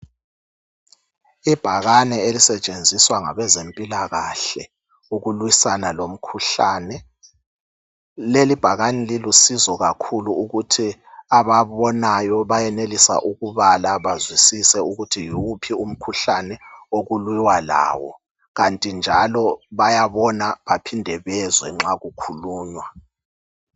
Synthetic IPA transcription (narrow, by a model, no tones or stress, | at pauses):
ib̥ʱaɣanɛelisɛt͡ʃʼend͡zʱiswaŋa̰βɛzempʼilaɣaɬɛ | uɣulwisanalom̩kʰuɬaːnɛ | lelib̥ʱaɣanɛlilusizɔɣakʰuluːɣutʰiaβaβɔnajɔβajɛnelisa̰ʔuɣuβalaβazwisisɛuɣutʰijuupʰium̩kʰuɬanɛoɣulwiwala̰ːwɔ̰ | ɣantʼind͡ʒʱalɔβajaβɔnaβapʰindʱɛβɛzwɛŋ͡ǁaɣukʰuluːɲwa